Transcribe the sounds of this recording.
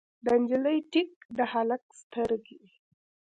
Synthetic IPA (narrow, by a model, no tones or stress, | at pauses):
d̪and͡ʒiləjʈik̚d̪əhalak̚st̪əɾɡe